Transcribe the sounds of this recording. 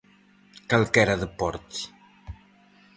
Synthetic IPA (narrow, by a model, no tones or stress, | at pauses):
kalkɛɾaðəpɔɾt̪i̥